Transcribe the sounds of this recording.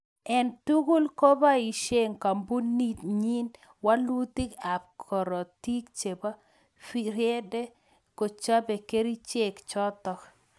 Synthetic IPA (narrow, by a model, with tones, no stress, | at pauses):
ɛ˨ntu˦ɡu˦lko˦ba˦i˨ʃe˦ŋka˨mbu˦ni˦tɲi˦n | wa˦lu˦ti˦ka˨b̚kʰɔ˨ɾɔ˨ti˦kt͡ʃe˨ba˦ | fi˦ɾjɛ˦de˦ | ko˨t͡ʃa˦be˨ke˦ɾi˦t͡ʃe˨kt͡ʃɔ˦tɔ˨k